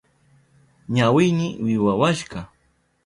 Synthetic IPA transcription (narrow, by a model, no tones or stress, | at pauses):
ɲawɪjnɪwɪwawaʃɢɑ